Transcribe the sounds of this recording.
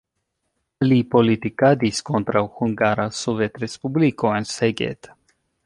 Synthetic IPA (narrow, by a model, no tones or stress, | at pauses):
alipolit̪ikad̪iskont̪ɾawxuŋɡaɾasovet̪ɾespublikoenseɡḛt̪